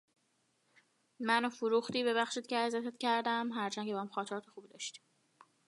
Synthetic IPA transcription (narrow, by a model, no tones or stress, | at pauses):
mænofuɾuːxt̪iːbe̞βæxʃiːd̪ceæzæt̪ʰet̪cʰæɾd̪æmɦæɾt͡ʃʰæŋcʰeæhæmxɒːt̪ʰeɾɒːt̪ʰexuːbid̪ɒːʃt̪i̥m